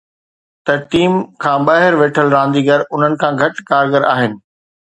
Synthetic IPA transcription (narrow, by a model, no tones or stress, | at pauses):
t̪ɐʈiːmkʰãːɓaːɦɪɾʋeːʈʰəlɾãːnd̪iːɡɐɾʊn̤ənɪ̆kʰãːɡʱɐʈkaːɾɡəɾa̰ːɦɪnɪ̆